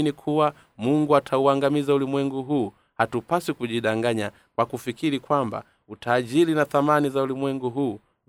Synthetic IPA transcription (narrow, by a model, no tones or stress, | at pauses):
nikʰuwa | muŋɡuatʰauaŋɡamizaulimwɛŋɡuɦuː | hatupasikuʄiɗaŋɡaɲa | kwakufikiɾikwamba̰ | utʰaːʄilinaθamanizaulimwɛŋɡuɦuː